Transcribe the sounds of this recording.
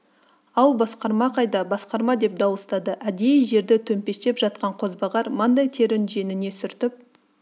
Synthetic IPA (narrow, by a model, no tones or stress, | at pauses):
ɑlˠbɑsqɑɾmɑqʰɑjd̪ɑbɑsqɑɾmɑd̪e̞p̚d̪ɑwəst̪ɑd̪əʔæd̪e̞jʒe̞ɾd̪ɪt̪ʰɵmpe̞st̪e̞pʒɑt̪̚qɑɴqʰo̞zbɑʁɑɾmənd̪ɑjt̪ʰe̞ɾɪnʒe̞nɪne̞sʏɾt̪ɪp̚